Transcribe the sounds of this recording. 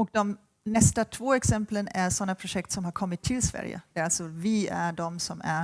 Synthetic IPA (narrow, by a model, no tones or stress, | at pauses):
ɔk̚d̪ɔm | nɛst̪at̪ʰvoːɛksɛmplənæʂɔnːapʰɾʊʂɛkt̪sɔmhaɾkʰɔmːɪt̪ʰːɪlsvæ̰ɾjə̰d̪̥ɛæɾalsɔvɪæɖɔmsɔmæ